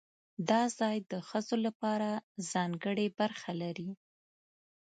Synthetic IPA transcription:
d̪ɑzɑjd̪əxəzolapɑɾaz̥ɑŋɡəɽebaɾxalaɾi

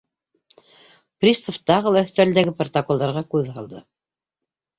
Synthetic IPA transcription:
prʲist̪oft̪ɑʁɤlˠɑ̆st̪æld̪æɡɘprt̪okolˠd̪ɑɾʁɑkʉðhɑlˠd̪ɤ

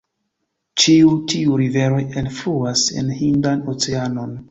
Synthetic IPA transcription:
t͡ʃiutʰiuɾive̞ɾo̞jenfluase̞̰nhindano̞t͡seano̞n

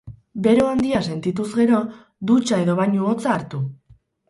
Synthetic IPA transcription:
be̞ɾoand̪iase̞nt̪it̪uzɣe̞ɾo̞ | d̪ut͡ʃae̞ðo̞βaɲuot͡saːɾt̪u

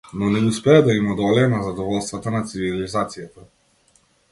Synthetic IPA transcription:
nɔnɛuspɛjɛd̪ainɔd̪ɔlɛɛnazad̪ɔvɔlst̪vat̪anat̪sivilizaːt̪sijɛt̪a

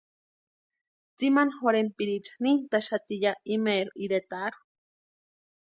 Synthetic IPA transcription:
t͡simanxoɾempiɾit͡ʃḁnint̪aʃat̪ijaimeɾuiɾet̪aɾu̥

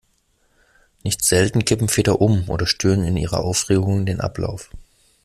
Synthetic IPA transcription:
nɪçtz̥ɛltn̩kʰɪpm̩feːtɐʔʊmʔo̰ːdɾɐʃtyːʁənɪnʔḭːʁɐ̰ʔaʊfʁeːɡʊŋdeːnʔa̰pla̰ʊf

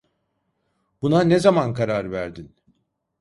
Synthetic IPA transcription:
b̥unanezamankʰaɾaɾvæɾd̪in

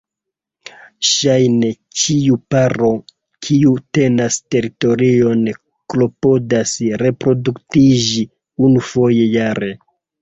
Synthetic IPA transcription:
ʃajne̞ | t͡ʃiupaɾo̞ | kʰiute̞naste̞ɾito̞ɾio̞n | klo̞po̞dasɾe̞pɾo̞duktid͡ʒi | unufo̞je̞jaɾe̞

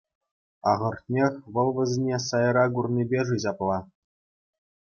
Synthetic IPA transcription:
ɑʁɤ̆rtʲnʲexʲʋɤ̆lˠʋɘ̆zʲnʲesɑjɾɑɡurnʲibʲeʐɯʑɑplˠɑ

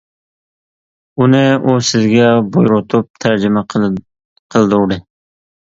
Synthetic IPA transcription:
unɪusɪzɡʲɛbojɾʊt̪ʰʊp̚t̪ʰæɾd͡ʒɪma | qʰəlˠd̪ʊɾɾɪ

